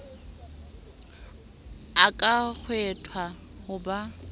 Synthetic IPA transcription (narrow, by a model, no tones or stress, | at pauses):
akʼak͡xʰwɛtʰwa | hʊba